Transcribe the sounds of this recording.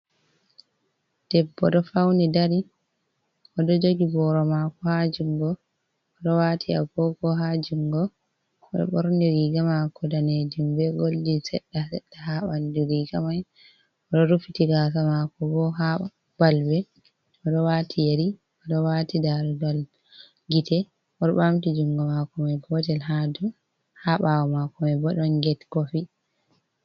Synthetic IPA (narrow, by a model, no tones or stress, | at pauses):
d̥ɛbːɔɗɔfawnidaɾi | ʔɔɗɔd͡ʒoɡibɔɾɔmakɔhad͡ʒuŋɡɔ | ɔɗɔwaːtʰia̰ɡɔɡɔɦad͡ʒuŋɡɔ | ɔɗɔ̰ɓɔɾniɾiɡamakɔdaned͡ʒumbɛɡoldisɛ̰ɗːasɛ̰ɗːaɦaɓandiɾiɡamaj | ɔɗɔɾufitiɡas̬amakɔbɔɦa | balbɛ | ɔɗɔwatʰijaɾi | ɔɗɔwatidaɾuɡal | ɡitɛ | ʔɔɗɔɓamtid͡ʒuŋɡɔmakɔmajɡɔtɛlɦadu | haɓawɔmakɔmajbɔɗanɡɛtkɔfi